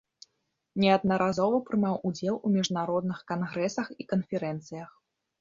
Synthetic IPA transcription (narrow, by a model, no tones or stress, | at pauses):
nʲɛɐd̪nɐɾʔazɔvɐpɾɨmawʔud͡zʲɛlˠumʲiʐnaɾɔd̪̚nɨxkanɣɾɛsɐxikɐnfʲɛɾɛnt̪sɨjɐx